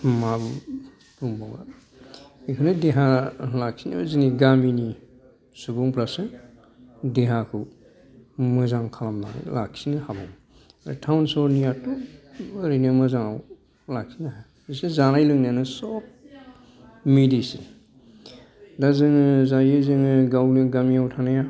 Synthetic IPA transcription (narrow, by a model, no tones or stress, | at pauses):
mab | tuŋbaŋa̰ | ikʰɯnɯdeɦalak̚sina̰baziniɡamini | subuŋpʰlasɯ | deɦakʰɯ | mɯzaŋkʰalamna̰lak̚sinɯhabɔŋ | aɾa̰tʰawnsɔɾnijatuɯɾinɯmɯzaŋaw | lak̚sinaɦa | isɯzanajlɯŋnanɯsɔp̚ | midisi | dazɯŋɯzajɯzɯŋɯɡawnɯɡamiawtʰanaja